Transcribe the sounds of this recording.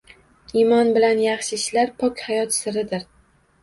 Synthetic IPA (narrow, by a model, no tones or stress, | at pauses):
imɒnbɪlanjɑχʃɪɪʃlaɾpʰɒkʲhajɒt̪sɪɾɪd̪ɪɾ